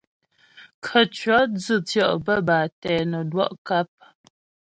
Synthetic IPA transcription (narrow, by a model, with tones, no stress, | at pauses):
kʰə˨t͡ʃɥɔ˨˦d͡zɨ˦˨t͡sjɔ˦˨ʔbə˦˨baː˨tɛː˨nə˨dwɔ˦ʔka˦p̚